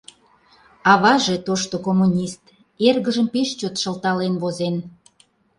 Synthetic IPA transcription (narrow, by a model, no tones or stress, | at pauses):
ɑβɑʒet̪oʃt̪okomunʲist̪ | erɣəʒəmpeʃt͡ɕot̪ʃə̆lt̪ɑlenβozen